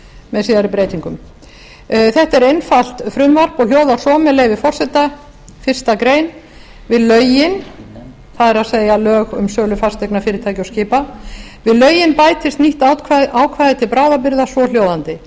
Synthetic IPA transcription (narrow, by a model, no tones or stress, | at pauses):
mɛðsiːðaɾɪpɾeːjt̪iŋkʏm | θɛht̪ɛɾejnfal̥t̪fɾʏmvar̥pɔh̪joːwðaɾ̥sɔːmɛleːjvɪfɔr̥sɛt̪ːa | fɪr̥st̪akɾeːjn | vɪðlœːɥjɪn | θaðɛɾaðseːjalœːɣʏmsœːlʏfast̪ɛknafɪːɾɪt̪ʰaːjcɪɔwscɪːpavɪðlœɥjɪnpaːjt̪ʰɪst̪niht̪aːwt̪kʰvaʔaːwkʰvaːðɪt̪ʰɪlpɾaːwðapɪɾðasvɔl̥jowðant̪ɪ